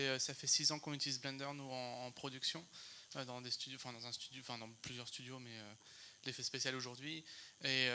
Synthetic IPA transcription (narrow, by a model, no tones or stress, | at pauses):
ɛøsafɛsizɑ̃kɔ̃nyt̪ilizblɛ̃nd̪œʁnuɑ̃ːpχɔd̪yksjɔ̃ød̪ɑ̃d̪est̪yjɑ̃fɛ̃d̪ɑ̃zɛ̃st̪yd̪jɑ̃fɛ̃d̪ɑ̃plyzjœʁst̪yd̪jomɛø | lefɛspesjaloʒuʁd̪ɥieø